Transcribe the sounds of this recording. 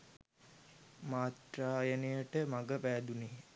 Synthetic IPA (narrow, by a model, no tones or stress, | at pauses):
maːt̪raːjənəjəʈəmaɡəpæːd̪uneː